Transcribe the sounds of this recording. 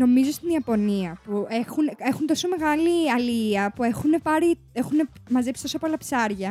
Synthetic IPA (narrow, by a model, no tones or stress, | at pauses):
no̞mizo̞st̪iniɐpo̞niɐpuexune̞xunt̪o̞so̞me̞ɣɐliɐliɐpue̞xune̞pɐɾi | e̞xune̞mɐze̞psi̥t̪osɐpolɐpsɐɾʝɐ